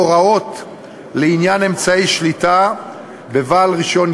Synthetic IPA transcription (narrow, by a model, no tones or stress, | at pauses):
oʁao̞t̪ | leinjane̞mt͡saiʃlita | be̞vaːlʁiʃo̞n